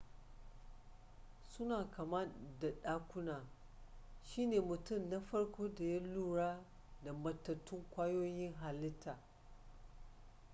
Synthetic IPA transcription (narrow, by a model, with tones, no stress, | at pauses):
sʊ˦naː˨kɐ˨mɐ˦da˨ɗaː˦kʷʊ˦naː˨ | ʃiː˦neː˨mʊ˨tʊ˦˨mna˦ɸɐ˦rkʷʰoː˦da˨jɐ˦luː˦ɽaː˦ | da˨mɐ˨tːɐ˨tʰːʊ˦ŋkʷaː˦joː˦jɪ˦ŋɦa˨lɪ˦tʰːaː˨